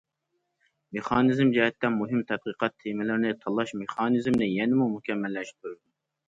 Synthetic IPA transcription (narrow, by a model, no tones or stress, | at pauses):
meχɑːnɨzɨmd͡ʒɛɦɛt̪ʰːɛmuɦɪmt̪ʰɛt̪̚qiqʰɑt̪ʰːemɪlɪɾɪnɪt̪ʰɑlˠɑʃmeχɑːnɨzmnɪjɛnɪmumukʲɛmːɛlːɛʃt̪ʰyɾɪd̪u